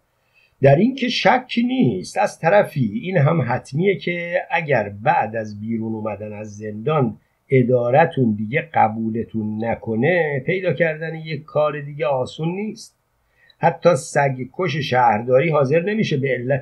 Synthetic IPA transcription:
d̪æɾincʰe̞ʃæcʰːiːniːst̪æzt̪ʰæɾæfiːiːnɦæmɦæt̪ʰmiːje̞cʰe̞ʔæɟæɾbæʔd̪æzbiːɾuːnuːmæd̪ænæzːe̞nd̪ɒːn | e̞d̪ɒːɾæt̪ʰund̪iːɟe̞ɢæbuːle̞t̪ʰunːækʰo̞ne̞pʰe̞jd̪ɒːcʰæɾd̪ænejekʰːɒːɾed̪iːɟeɒːsunːiːst̪̚ | hæt̪ʰːɒːsæɟkʰo̞ʃ̬eʃæːhɾd̪ɒːɾiːɦɒːze̞ɾne̞miːʃebeelːæ

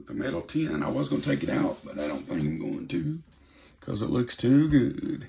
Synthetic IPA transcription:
ðɨmɛɾl̩ˠtʰɪ̃nɨ̰̃na̰ɪwʌzɡʌ̃nətʰeɪkɨɾaʊt̚b̥ʌɾaɪɾõʊ̃nθɪ̃ŋkãɪ̃mɡoʊɪ̃ntʰʉ | kʰʌ̰zə̰ʔˡlʔʊkstʰʉɡʊd̥

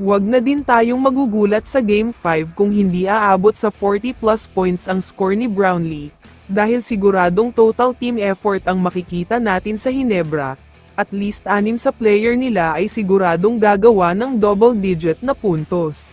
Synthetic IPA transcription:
wɐɡ̚nɐd̪ɪnt̪aːjo̞ŋmɐɡuːɡuːlɐt̪̚sɐɡejmfajvkʊŋhɪnd̪iːʔaːʔaːbo̞t̪̚sɐfoɹt̪iplaspojnt̪sɐŋskoɹnibɹawnli | d̪aːhɪlsɪɡʊɾaːd̪o̞ŋt̪owt̪ɐlt̪imɛfoɹt̪ɐŋmɐkɪkiːt̪ɐnaːt̪ɪnsɐhɪnɛbɾɐ̰ | ʔɐt̪liːst̪ʔaːnɪmsɐplɛjɛɹnɪlaʔɐjsɪɡʊɾaːd̪o̞ŋɡ̪aːɡɐwanɐŋd̪obɛld̪id͡ʒɪt̪̚nɐpunt̪os

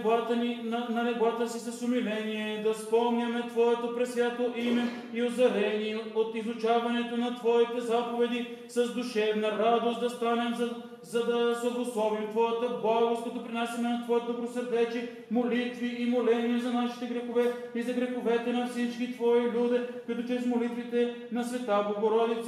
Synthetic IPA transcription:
bat̪əninɐnɐnɛbat̪əsisɐsʊmilɛniɛd̪ɐspɔmnʲəmɛt̪vɔɛt̪opɾɛsvʲjʲat̪oʔimɛ | iozɐɾɛniɛot̪izʊt͡ʃavɐnɛt̪onɐt̪vɔit̪ɛzapovɛd̪i | sɐzd̪ʊʃɛvnɐɾad̪ost̪d̪ɐst̪anɛmzɐ | zɐd̪ɐsɐvosˠɔvimt̪vɔjət̪əblˠaɡost̪kɐt̪ɔpɾinasɐnɛnɐt̪vɔjət̪od̪obɾosɐɾd̪ɛt͡ʃɛ | molit̪viːmolɛniɛzɐnaʃi̥t̪ɛɡɾɛxovɛ | izɐɡɾɛxovɛt̪ɛnɐfsit͡ʃkit̪vɔilʲud̪ɛkoit̪ot͡ʃɾɛsmolit̪vit̪ɛ | nɐsvɛt̪aboɡoɾɔd̪it̪s

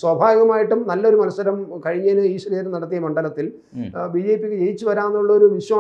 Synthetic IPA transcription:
swɐbʱaːjɐɣɐmaːjiʈːumnɐlːɐo̞ɾumɐnɐsːɐɾɐmkɐɻiɲːaːnɨiːɕɐɾeɾɨnɐɽɐt̪ːijɐmɐɳɖɐlɐt̪ːil | biːd͡ʑe̞ːpːikʲːɨt͡ɕe̞jit͡ɕːuʋɐɾaːnːuuɭːɐoɾuʋiɕwɐ

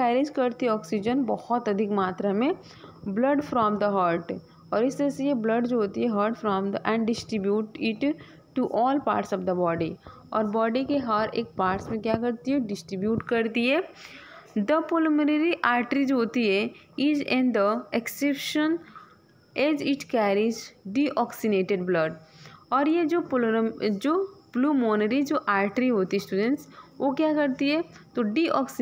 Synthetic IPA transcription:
kɛːɾɪd͡ʒkɐɾt̪iɦɛɔːksɪd͡ʒənbɔhɔt̪ɐd̪ʱɪkmaːt̪ɾamẽ | blɐɖfɾɔːmd̪əɦəːɾʈ | ɔːɾɪst̪əɾɐsejeblɐɖd͡ʒoɦoːt̪iɦɛɦəːɾʈfɾɔ̃ːmd̪ʔɛ̃ɳɖɖɪsʈɾɪbjuːʈɪʈ | ʈːuʔɔːlpa̰ːɾʈsɔːʋd̪əbɔːɖi | ɔːɾbɔːɖikeɦaɾḛːk̚paːɾʈsmẽkjakɐɾt̪iɦɛɖɪsʈɾɪbjuːʈkɐɾt̪iɦɛ | d̪əpoləmɾəɾiʔaːɾʈɾid͡ʒoɦoːt̪iɦɛ | id͡ʒɛ̃nd̪əeksepʃən | eːd͡ʒɪʈkɛːɾid͡ʒɖiʔɔːksineːʈeɖbləɖɔːɾjed͡ʒoːpld͡ʒoːpluːmɔːnəɾid͡ʒoːʔaːɾʈɾiɦoːt̪iɦɛsʈuːɖə̃ɳʈsʋokjakɐɾt̪iɦɛt̪oɖiʔɔːks

